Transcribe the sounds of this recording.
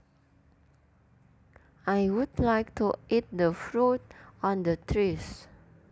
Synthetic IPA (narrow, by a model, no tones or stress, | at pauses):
ajwudlajk̚tuit̚dəfɹotɔ̃ndətʰɹis